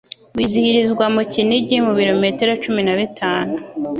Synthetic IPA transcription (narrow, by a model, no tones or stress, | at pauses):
wizihiɾizɡwamuciniɟimuβiɾo̞me̞teɾot͡ʃuminaβitʰaːnu